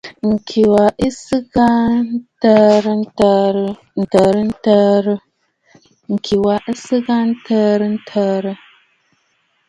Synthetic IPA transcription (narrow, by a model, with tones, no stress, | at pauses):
ŋ̩˨kʰi˨wa˨ʔi˦sɨ˦ɡa˦n˦tə˦ɾtə˦ɾ | n̩˨tə˨ɾə˦n̩˦tə˦ɾə˦ | ŋ̩˨kʰi˨wa˨ʔi˦sɨ˦ɡa˦n̩˦tʰə˦ɾə˦n̩˦tʰə˦ɾə˦